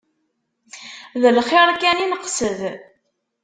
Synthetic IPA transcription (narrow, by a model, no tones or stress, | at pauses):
ðəlχeɾˤkæninəqːsəð